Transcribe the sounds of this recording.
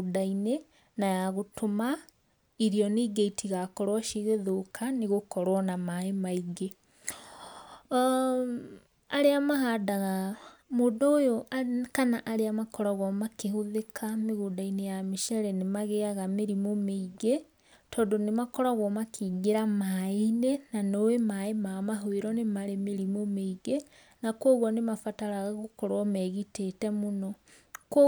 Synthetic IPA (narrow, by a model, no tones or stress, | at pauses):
daine | najaɣotʰoma | iɾiɔneɡeitʰiɣakɔɾwaʃeɣeðokʰaneɣokɔɾwɔnamaemaiɡe | aɾeamaɦadaɣamoːdɔojokanaʔaɾeamakɔɾaɣwɔmakeɦoðekʰameɣodainejameʃɛɾɛnemaɣeaɣameɾimomeiɣe | tʰɔːdonemakɔɾaɣwɔmakʰiːɡeɾamainenanoemaemamaɦweɾɔnemaɾemeɾimomeiɣe | nakwoɣwɔnemafataɾaɣaɣokɔɾwɔmɛɣitetɛmonɔk